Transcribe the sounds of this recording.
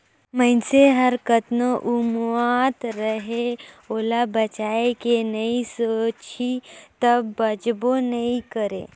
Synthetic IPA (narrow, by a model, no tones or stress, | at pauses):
mənseɦɐɾkət̪noʔʊmwat̪ɾəɦe | oːlabɐt͡ʃaːekenɐĩsoːt͡ʃit̪ɐbːɐd͡ʒbonɐĩkəɾḛ̃ː